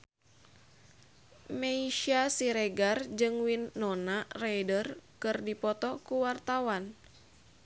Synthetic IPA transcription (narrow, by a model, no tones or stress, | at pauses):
meiʃasiɾɛɡard͡ʒɨŋwinːɔnarajdərkɨrdipɔt̪ɔkuwart̪awan